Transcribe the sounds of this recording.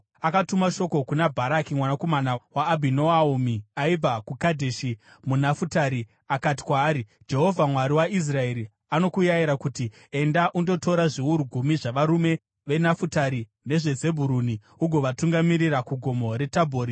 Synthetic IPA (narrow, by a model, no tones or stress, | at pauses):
akatumaʃo̞ko̞kunabʱaɾakimwanakomanawaːbʱinoaumiaib͡vakukadʱeʃi | munafutaɾi | akati̥kwaːɾi | d͡ʒe̞ɦo̞vʱamwaɾiwais̬rae̞ɾi | ano̞kujajiɾakuti | e̞ndaʔundo̞to̞ɾaʐiuɾuɡʱumiʐaʋaɾume̞ | ʋe̞nafutaɾi | ne̞ʐe̞d͡ze̞bʱuɾuni | uɡʱo̞ʋatuŋɡamiɾirakuɡʱo̞mo̞ɾe̞tabʱoːɾi